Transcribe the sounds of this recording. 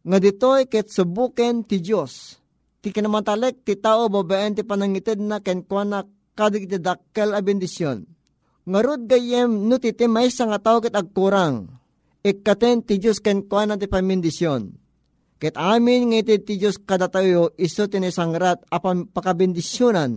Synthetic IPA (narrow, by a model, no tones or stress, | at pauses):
ŋad̪it̪ojkɛt̪̚subukɛnt̪id͡ʒos | t̪ikinɐmant̪ɐlɛk̚t̪it̪aːʔobabaʔɛnt̪ipanaŋit̪ɛd̪̚nakɛnkwana | kad̪akit̪id̪akːɛlɐbɛnd̪ɪsjon | ŋaɾud̪̚ɡajɛmnut̪it̪ɛmaisaŋat̪aokɛt̪ɐɡ̚kuɾaŋ | ɛkːat̪ɛnt̪id͡ʒoskɛnkwanat̪ipamɪnd̪ɪsjon | kɛt̪aːmɪnŋait̪ɛd̪̚t̪id͡ʒoskad̪at̪ajoʔisot̪inesaŋɾat̪̚ɐpapakabɛnd̪ɪsjonan